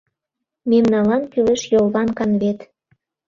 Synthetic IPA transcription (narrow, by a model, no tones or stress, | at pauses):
memnɑlɑnpyleʃjolβɑnkɑnβet̪